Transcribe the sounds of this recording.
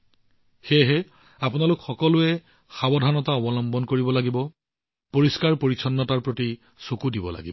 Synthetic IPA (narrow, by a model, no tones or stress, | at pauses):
xeɦɛ | apʊnalʊkxɔkɔlʊɛ | xabɔdʱanɔtaɔbɔlɔmbɔnkoɹibɔlaɡibɔ | poɹiskaɹpoɹisʰɔnːɔtaɹpɹoti | sokudibɔla̰ɡibɔ